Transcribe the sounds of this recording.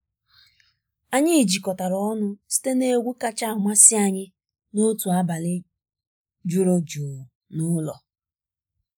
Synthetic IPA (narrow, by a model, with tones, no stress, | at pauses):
a˦ɲɪ˦˨d͡ʒi˨kɔ˨ta˨ɾɔ˦ɔ˦nʊ˦si̥˦te˦ne˦ɡʷu˦ka˦t͡ʃa˦a˨ŋʷa˦sɪ˦a˨ɲɪ˦ | no˦tu˨a˦ba˨lɪ˦ | d͡ʒu˦ɾo˦d͡ʒu˨ | nʊ˦lɔ˨